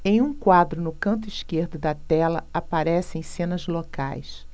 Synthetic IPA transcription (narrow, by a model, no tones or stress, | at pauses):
ẽj̃ũkwad̪ɾʊnʊkɐ̃nt̪ʊiskeɾd̪ʊd̪ɐt̪ɛlɐ̰apaɾɛsɪẽj̃sẽnɐzloka̰js